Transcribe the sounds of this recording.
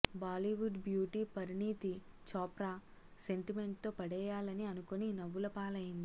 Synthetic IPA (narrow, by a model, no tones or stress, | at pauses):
baːliʋuɖbjuːʈiːpɐɾiniːt̪i | t͡ʃɔːpɾaːse̞ɳʈime̞ɳʈ̚t̪o̞ːpɐɽɛːjaːlɐniɐnukoninɐʋːulɐpaːlɐjind̪i